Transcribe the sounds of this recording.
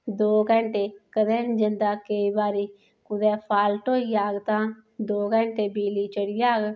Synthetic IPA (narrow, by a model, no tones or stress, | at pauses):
d̪oːkə̃ɳʈeːkəd̪ẽːnd͡ʒɪnd̪aːkəiːbaːɾiː | kʊd̪ɛːpʰaːlʈoːiːaːɡt̪ãː | d̪oːɡəɳʈeːbiːliːt͡ʃəɽiːaːɡ